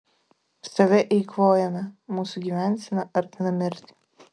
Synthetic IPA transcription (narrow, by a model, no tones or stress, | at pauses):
st̪ɐʋʲɛʔɛɪkloːjɛmʲɛmuːsuɡʲiʋʲænʲsʲɪnɐʔɐɾt̪ʲɪnɐmʲɪɾʲt̪ʲ